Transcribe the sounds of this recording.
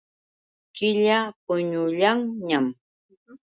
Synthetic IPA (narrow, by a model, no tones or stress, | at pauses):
kɪʎapʊɲʊʎaŋɲam